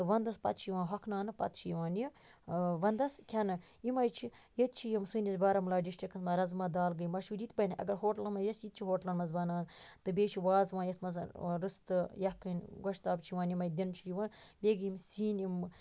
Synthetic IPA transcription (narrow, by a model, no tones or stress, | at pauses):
t̪ɨʋɐnd̪ɐspɐ̰t̪̚t͡ʃʰijʋãːnɦɐkʰnaːnɨpɐ̰t̪̚t͡ʃʰijiʋaːnji | ʋɐnd̪ɐskʰʲɐnɨ | imɐjt͡ʃʰijɐt̪̚t͡ʃʰijimsɨːnʲɐsbaːɾɐmlaːɖiʃʈɐkɐt̪mɐɾɐzmɐd̪aːlɡɨjmɐʃuɾit̪bɐjnʔɐ̰ɡɐɾɦoːʈɐlɐnmɐjɐsit̪t͡ʃʰiɦoːʈlɐnmɐsbɐnaːnt̪ɨbʲeːt͡ʃʰiʋaːzʋãːjɐt̪ʰmɐs̬ɾɨst̪ɨjɐkːɨnʲɡoʃt̪aːbt͡ʃʰiʋãːnjimɐjd̪ʲint͡ʃʰijiʋãːnbʲeːɡjimsiːnimɨ